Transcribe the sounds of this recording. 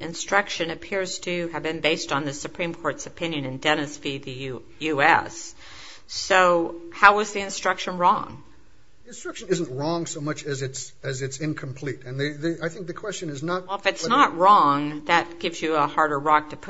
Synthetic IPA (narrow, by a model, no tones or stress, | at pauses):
ʔɨ̃nstɹ̥ʌkʃɨ̃nɨpʰɪɹz̥tʰɨɨvbɨ̃nbeɪstn̩ðɨsɨpʰɹ̥ĩmkʰɔɹtsɨpʰɪ̃njɨ̃nɨ̃ndɛnɨsfiðɨ | jʉɛ̰sː | oʊhaʊʌzðiɨ̃nstɹ̥ʌkʃɨ̃nɹɔ̰̃ŋ | ɨ̃nstɹ̥ʌkʃɨ̃nɪz̃nt̚ɹɔ̃ŋsoʊmʌt͡ʃɨzɨtsɨzɨtsɪ̃nkʰmpʰl̥iɾɨ̃nðɨðɨaɪθɪ̃ŋk̚ðɨkʰw̥ɛst͡ʃɨ̃nɨznət̚wˠəfɨtsnət̚ɹɔ̃ŋðɨt̚ɡ̥ɪvzjɨəhɑɹɾə˞ɹɑk̚tʰɨpʰ